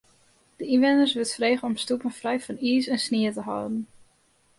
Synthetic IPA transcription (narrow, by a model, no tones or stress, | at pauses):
d̥əinʋɛndərsʋɪtfreːχənɔmstupənfrɛjfɔniːsɛnsniətəɦɔ̰wdən̩